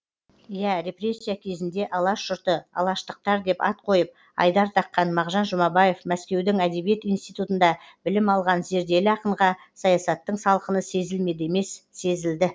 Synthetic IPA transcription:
jæɾʲe̞pre̞sʲːijakʲʰe̞zɪnd̪e̞ʔɑlˠɑʃʒ̥ʊɾt̪əɑ̰lˠɑʃt̪əq̚t̪ɑɾd̪e̞pɑt̪̚qʰo̞jəp̚ | ɑ̰jd̪ɑɾt̪ʰɑqːɑnmɑʁʒɑnʒʊmɑbɑje̞fmæskʲe̞wd̪ɪŋæd̪e̞bije̞t̪inst̪ijt̪ut̪ənd̪ɑ | bɪlɪmɑlˠʁɑnze̞ɾd̪e̞lɪɑqəɴʁɑ | sɑjɑsɑt̪ːəɴsɑlˠqənəse̞zɪlme̞d̪eme̞sːe̞zɪld̪ɪ

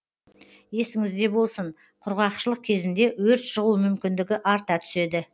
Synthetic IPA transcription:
je̞sɪŋɪzd̪e̞bo̞lˠsəɴ | qʰʊɾʁɑqʃəlˠəq̚kʲʰe̞zɪnd̪e̞wɵɾt̪ʒəʁumʏmkʲɪnd̪ɪɡʲɪʔɑɾt̪ɑt̪ʰʏ̥se̞d̪ɪ

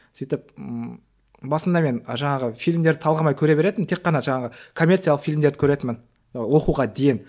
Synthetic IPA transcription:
sijt̪ɪp̚ | bɑsənd̪ɑme̞nəʒɑɴɑʁəfijlʲmd̪e̞ɾd̪ɪt̪ʰɑlˠʁɑmɑjkʲʰɵɾebe̞ɾe̞d̪ɪmɪnt̪ʰe̞qːɑnɑʒɑɴɑʁəkʰo̞mʲːert̪sijlˠəqfijlʲmd̪ed̪ɪkʲʰɵɾe̞t̪ɪmɪn | wo̞quʁɑd̪ejen

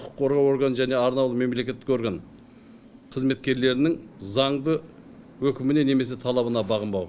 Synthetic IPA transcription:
qʰʊ̥qʰːo̞ɾʁɑwo̞ɾɡanʒæne̞ɑɾnɑwlˠəme̞mle̞kʲe̞t̪ːɪko̞ɾɡan | qʰəzme̞t̪kʲe̞ɾle̞ɾɪnɪŋzɑɴd̪ə | wɵkʲɪmɪne̞ne̞me̞s̬e̞t̪ʰɑlˠɑβənɑbɑʁəmbɑw

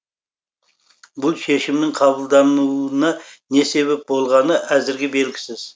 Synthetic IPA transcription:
bʊlˠʃe̞ʃɪmnɪŋqʰɑβəlˠd̪ɑnunɑne̞se̞βe̞p̚bo̞lˠʁɑnəʔæzɪɾɡʲɪbe̞lɡʲɪsɪz̥

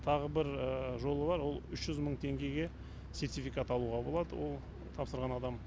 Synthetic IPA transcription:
t̪ʰɑʁəbɪɾəʒo̞lˠəbɑɾwo̞lˠʏʃʒ̥ʏzməɴt̪ʰe̞ŋɡʲe̞jɡʲe̞ | sʲe̞rt̪ʲifijkat̪ɑlˠuʁɑbo̞lˠɑd̪ə̰wo̞̰lˠ | t̪ʰɑpsəɾʁɑnɑd̪ɑm

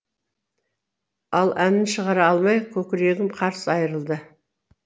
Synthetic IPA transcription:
ɑlˠænɪnʃəʁɑɾɑɑlˠmɑjkʲʰɵkʲɪɾe̞ɡʲɪmqʰɑɾsəɑjəɾəlˠd̪ə

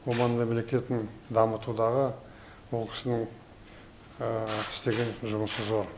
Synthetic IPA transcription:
womɑnmemle̞kʲe̞t̪ɪnd̪ɑmət̪ud̪ɑʁə | wo̞lˠkʲʰɪ̥sɪnɪŋ | ɪ̥st̪e̞ɡʲe̞nʒʊməsəzo̞ɾ

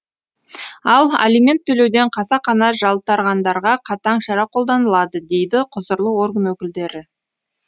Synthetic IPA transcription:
ɑlˠa̰lʲijmʲe̞nt̪ʰːɵle̞wd̪eɴqʰɑsɑqɑnɑʒɑlˠt̪ɑɾʁɑnd̪ɑɾʁɑqʰɑt̪ɑɴʃɑɾɑqʰo̞lˠd̪ɑnəlˠɑd̪əd̪e̞jd̪ɪqʰʊzəɾlˠəwo̞ɾɡənwɵkʲɪld̪e̞ɾɪ

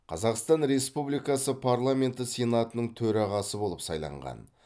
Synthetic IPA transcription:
qʰɑzɑqst̪ɑnɾe̞spublijkɑsəpʰaɾlˠamʲe̞nt̪ɪsenat̪ənəɴt̪ʰɵɾɑʁɑsəbo̞lˠəpsɑjlˠɑ̰ɴʁɑ̰n

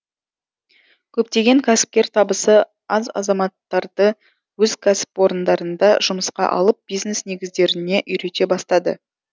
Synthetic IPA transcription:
kʲʰɵp̚t̪e̞ɡʲe̞ŋkʲʰæsɪ̥p̚kʲeɾt̪ʰɑbəsə | ɑzɑ̰zɑmɑt̪ːɑɾd̪ə | wɵzkʲʰæsɪ̥pwo̞ɾənd̪ɑɾənd̪ɑʒʊməsqɑ̰ʔɑ̰lˠəp̚b̥ijzne̞sne̞ɡʲɪzd̪e̞ɾɪne̞ʔʏjɾe̞t̪e̞bɑst̪ɑd̪ə̰

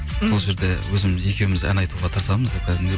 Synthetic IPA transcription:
so̞lˠʒe̞ɾd̪e̞wɵzɪmɪzje̞kʲe̞wɪmɪzæ̰nɑjt̪uʁɑt̪ʰəɾsɑməzkʰʲæd̪ɪmd̪e

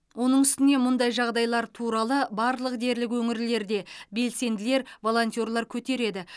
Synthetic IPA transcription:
wʔo̞nəɴʏst̪ɪne̞mʊnd̪ɑjʒɑʁd̪ɑjlˠɑɾt̪ʰuɾɑlˠəbɑɾlˠəqd̪e̞ɾlɪkwɵŋɪɾle̞ɾd̪e̞be̞lse̞nd̪ɪle̞ɾvo̞lˠo̞nt̪ʲijo̞rlˠɑɾkʲʰɵt̪e̞ɾe̞d̪ɪ

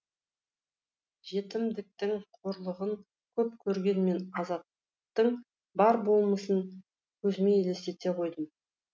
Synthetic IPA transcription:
ʒe̞t̪ɪmd̪ɪk̚t̪ɪŋqʰoɾlˠəʁəŋ | kʲʰɵp̚kʲʰɵɾɡʲe̞nme̞nɑzɑt̪ː | əq̚t̪əɴ | bɑɾbo̞lˠməsən | kʲʰɵzɪme̞ele̞se̞t̪e̞qʰo̞jd̪əm

